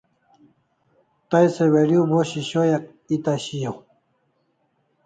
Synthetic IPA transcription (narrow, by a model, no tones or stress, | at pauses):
t̪ajseweɾjuboɕiɕojak̚ | it̪aɕijow